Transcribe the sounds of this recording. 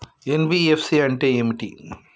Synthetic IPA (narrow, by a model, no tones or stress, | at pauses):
enʋiefsiɐnʈeemʈḭ